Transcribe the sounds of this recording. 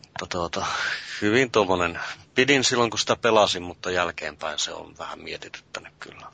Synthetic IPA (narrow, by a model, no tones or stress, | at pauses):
mut̪ːɑt̪uot̪ɑhyʋint̪uomːonenpidinsilːoŋkusi̥t̪æpelɑsimmut̪ːɑjælkḛːmpæinseo̰nʋæhæ̰mmiet̪it̪y̥t̪ːænykky̰lːæ